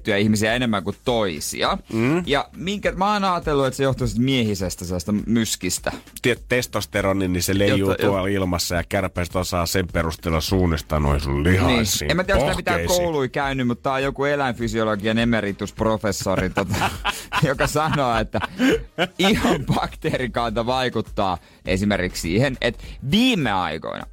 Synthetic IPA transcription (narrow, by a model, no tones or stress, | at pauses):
t̪ːyæihmisiæenemːæŋkut̪toisḭɑjɑmiŋkæmɑːnɑːt̪elːuet̪sejoht̪usit̪miehisest̪æselːɑst̪ɑmyskist̪æt̪iet̪t̪est̪ost̪eɾonːinniselejojuːtj̪ouɑlilmɑsːɑjɑkærpæst̪osɑːsemperust̪elːɑsuːnːist̪ɑno̰isullihɑniːsḭemæt̪ieɾæsit̪ːæmit̪æːkouluikæynːymmut̪t̪ɑːjjokuelæinfysioloɡiɑnemerit̪ːusprofesːorit̪ot̪ɑjokɑsɑnoːet̪ːæ | ihɑmb̥ɑkt̪erikɑnt̪ɑʋɑikut̪ːɑː | ʔḛsimerkikssḭːhenʔḛt̪ʋiːmːˑeɑ̰iko̰inɑ̰